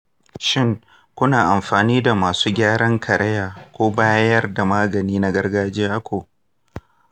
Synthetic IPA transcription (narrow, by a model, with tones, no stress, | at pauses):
ʃɪ˦ŋ | kʷʊ˦naː˨ʔa˨mɸaː˨niː˦da˨maː˨suː˦ɡʲaː˦ɽɐ˦ŋkʰɐ˨ɾɐ˦jaː˨kʷoː˦baː˦jɐ˦rda˨maː˦ɡɐ˨niː˦na˦ɡɐ˦rɡaː˦d͡ʒeː˦ʔa˦kʷʰoː˨